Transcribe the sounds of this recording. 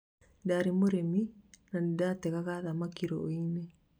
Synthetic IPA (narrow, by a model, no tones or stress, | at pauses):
daɾimoɾeminandaːt̪ːekaɣaðamakːiɾoine